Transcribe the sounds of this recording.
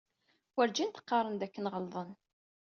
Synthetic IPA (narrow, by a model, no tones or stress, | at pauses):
wəɾd͡ʒint̪ə̥qːɑɾˤənd̪ækːənʁəlðˤən